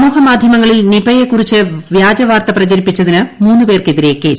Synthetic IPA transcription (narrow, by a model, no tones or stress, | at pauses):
muːhɐmaːd̪ʱjɐmɐŋːɐɭilnibɐjekːurit͡ɕːɨʋjaːd͡ʑɐʋaːrt̪ɐprɐd͡ʑɐɾipːit͡ɕːɐðinɨmuːnːɨpe̞ːrkeðiɾe̞kːeːs